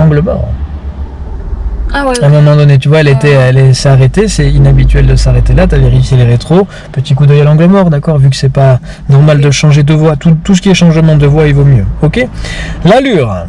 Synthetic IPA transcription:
ɑ̃ɡləmɔ̰ʁ̰ | aɛ̃ːmɔ̃mɑ̃d̪ɔnet̪̬yvwaɛlet̪ɛɛlɛsaʁet̪esɛinabit̪ɥɛld̪əsaʁet̪elat̪aveʁifjeleʁet̪χo | pət̪ik̬ud̪œjalɑ̃ɡləmɔʁd̪akɔʁvyk̬ə̥sɛpa | nɔʁmald̪əʃɑ̃ʒed̪əvwat̪ut̪us̬ə̥kʲiɛʃɑ̃ʒmɑ̃d̪əvwaivomjøɔkʲelalyʁ

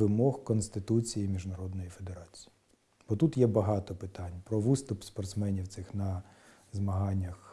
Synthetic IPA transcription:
ɪmɔhkɔnst̪ɪt̪ut͡sʲijimʲiʒnɐɾɔd̪nɔjife̞d̪eɾɑt͡sʲi̥ji | b̥ɔt̪ut̪jɛbɐɦɑt̪ɔpɪt̪ɑnʲpɾɔʋɨst̪ʊpspɐrt̪smɛnʲiwt̪sɪxnɐ | zmɐɦɑnʲːɐx

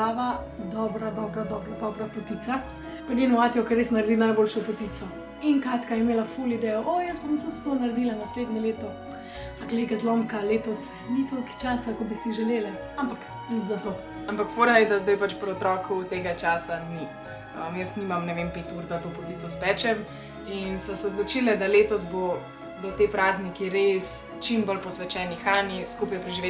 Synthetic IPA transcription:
aːʋa | d̪ɔːbɾad̪ɔbɾad̪ɔbɾad̪ɔbɾapɔt̪it̪sa | pɾnenuaːt̪iɔkɛɾesnaɾed̪inajboːlʃɔpɔt̪isɔ | inkaːt̪kajɛmeːlafulid̪ɛjɔʔojəsbomt̪ut̪t̪onaɾed̪ilanasleːd̪ɲɛleːt̪ɔ | aɡleɡazloːmkaleːt̪ɔs | nit̪okt͡ʃaːsakɔbisiʒɛleːlɛ | ampak | id̪zat̪o | ampakfoːɾajɛd̪azd̪ajpat͡ʃpɾɔt̪ɾɔːkʰut̪eːɡat͡ʃaːsani | əmjəst̪nimamnɛʋempet̪uːɾd̪at̪opɔt̪it̪t͡ssɔspɛt͡ʃɛm | insɛsɛɔd̪lɔt͡ʃilɛd̪aleːt̪ɔs̬bo | d̪ɔt̪epɾaznikiɾes | t͡ʃimbɔlpɔsʋɛt͡ʃɛːnixaːniskupjpɾɛʒiʋe

